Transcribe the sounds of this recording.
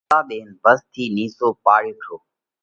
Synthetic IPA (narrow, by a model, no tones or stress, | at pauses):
aːɓeːnbəst̪ʰiːniːsoːpaːɾeːʈʰoː